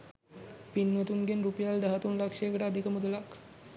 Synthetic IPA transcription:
pinʋət̪uŋɡenɾupejald̪aɦat̪unlakʂejːkəʈəːd̪ʱikəmud̪əlak

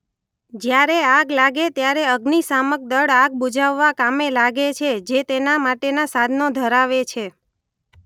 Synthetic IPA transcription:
d͡ʒjaɾeaɡlaɡet̪jaɾeəɡnisamək̚d̪əɽaɡ̚bud͡ʒaʋːakamelaɡet͡ʃʰed͡ʒet̪enamaʈenasad̪ʱnod̪ʱəɾaʋet͡ʃʰe

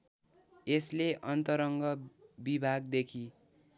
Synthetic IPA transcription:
esleʔʌnt̪ʌɾʌŋɡʌbibʱaɡd̪ekʰi

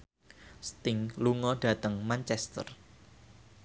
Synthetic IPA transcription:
st̪ɪŋluŋɔɖ̥ä̤t̪əŋmant͡ʃɛst̪ə̰r

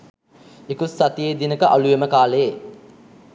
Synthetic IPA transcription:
ekusːat̪ijeːd̪inəkəʔalujeməkaːle

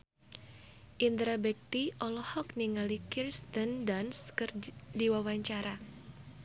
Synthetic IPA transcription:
ʔind̪ɾabɛk̚t̪iʔɔlɔhɔkniŋalikirst̪əndanskɨrdiwawaɲt͡ʃaɾa

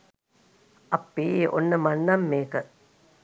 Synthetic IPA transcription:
ʔɐpːiːo̰nːəmɐnːɐmːeːkə

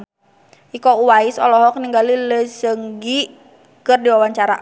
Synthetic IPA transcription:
ikɔuwaiɪsɔ̰lɔɦɔk̚niŋɡaliləsəŋɡi | kərdiwawaɲt͡ʃaɾa̰

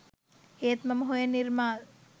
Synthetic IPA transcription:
eːt̪mɐməɦujəniɾmaːl

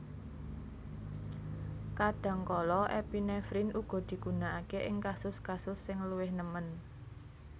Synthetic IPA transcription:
kaɖ̥ä̤ŋkɔlɔʔɛpinɛfɾinʔuɡ̥ɔ̤d̪̥i̤ɡ̥ṳnaʔakeʔɪŋkasʊskasʊsːɪŋluwɪhnəmən

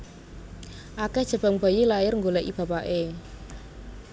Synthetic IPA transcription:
ʔakɛd̥ʒ̥ə̤b̥a̤ŋb̥a̤jilajɪrŋɡolɛʔib̥ä̤paʔe

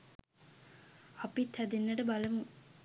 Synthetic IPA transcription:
apit̪ʰːæd̪enːəʈəbaləmu

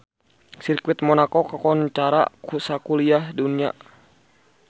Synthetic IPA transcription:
sirkwɪt̪̚mɔnakokakɔnt͡ʃaɾa̰kusakuliahdunia̰

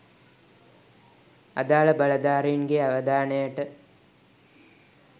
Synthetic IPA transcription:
ɐ̰d̪aːɭɐbɐɭɐd̪aːɾijnɡeɐʋɐd̪aːɳɐjɐʈɨ

